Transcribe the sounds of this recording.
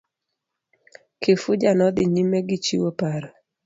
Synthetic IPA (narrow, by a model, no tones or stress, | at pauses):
kefʊd͡ʒanɔd̪ɪɲimɛɡɪt͡ʃiwopaɾa